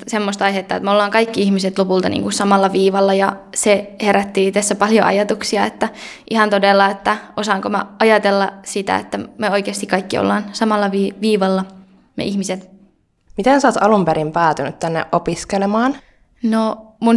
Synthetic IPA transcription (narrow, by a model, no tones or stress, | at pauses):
semːost̪ɑihet̪ːɑːet̪meolːɑːŋkɑikːiihmiset̪lopult̪ɑnḭŋkussɑmɑlːɑʋiːʋɑlːɑjɑseheɾæt̪ːiːt̪æsːæpɑljo̰ʔɑ̰jɑt̪uksiɑet̪ːæʔihɑnt̪odelːɑet̪ːæosɑːŋkomæ̰ɑjɑt̪elːɑsit̪æ̰ḛt̪ːæmeoikeːst̪ikɑikːio̰lːɑːnsɑmɑlːɑʋiːʋiːʋɑlːɑ | mḛʔihmiset̪ | mit̪ensɑːt̪ɑlumpeɾimpæːt̪ynyt̪t̪ænːḛʔʔopiskelemɑːn | nomun